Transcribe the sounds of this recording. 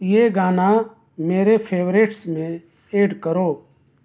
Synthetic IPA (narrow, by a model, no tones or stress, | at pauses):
jeːɡaːna | meːɾepʰeːʋɾeːʈsmẽ | eːɖkəɾoː